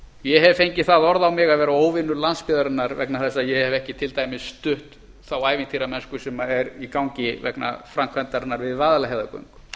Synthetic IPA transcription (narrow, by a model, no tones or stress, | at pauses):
jɛhɛvfejɲcɪθaðɔɾðawmɪɣaðvɛːɾaoːwvɪnːʏlanspɪːðaɾɪnːaɾvɛ̰knaθɛsːajɛhɛvɛhcɪt̪ʰɪlt̪aːjmɪsːt̪ʏht̪ | θawaːjvɪnt̪ʰiɾamɛnskʏsɛmaɛɾikawŋcɪvɛ̰kna̰fɾamkʰvɛnt̪aɾɪnːaɾvɪðvaːðalaɦɛðʏkœ̰ŋk